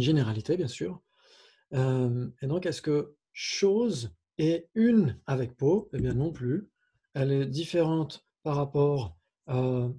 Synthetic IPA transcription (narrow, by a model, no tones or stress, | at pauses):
nʒeneʁalit̪ebjɛ̃sy̰ːʁ | ømed̪ɔ̃kɛskə | ʃoz | ɛynavɛk̚poebjɛ̃nɔ̃ply | ɛlɛd̪ifeʁɑ̃t̪ | paʁːapɔːʁ | ø